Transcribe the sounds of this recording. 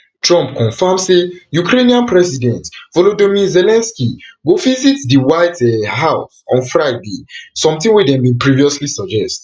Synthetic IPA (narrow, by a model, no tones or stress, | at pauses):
tɹɔ̃mp̚kʰɔ̃nfamsejukɾeniãnpɹɛsidɛ̃ntvɔlodomizɛlɛ̃nskiɡovizitdiwaɪtɛɦaʊsɔ̰̃nfɹaɪdesɔ̃mtĩŋwɛdɛ̃mbĩnpɹiviɔslisɔd͡ʒɛst